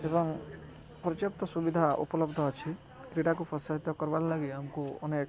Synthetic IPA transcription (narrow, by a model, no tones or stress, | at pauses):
ebɔŋ | pɔɾɔt͡ʃjɔp̚t̪ɔsubid̪ʱaṵpɔlɔbd̪ʱɔːt͡ʃʰi | kɾiɽakupʰɔsaɦit̪ɔkɔɾballaɡiamkuɔ̰nek